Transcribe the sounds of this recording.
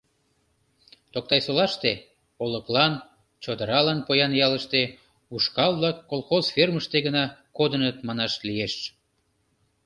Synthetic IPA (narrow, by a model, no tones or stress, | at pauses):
t̪ok̚t̪ɑjsolɑʃt̪e | oləklɑn | t͡ɕod̪əɾɑlɑnpojɑnjɑləʃt̪e | uʃkɑlˠblɑkːolˠxozferməʃt̪eɣənɑkod̪ənət̪mɑnɑʃlieʃ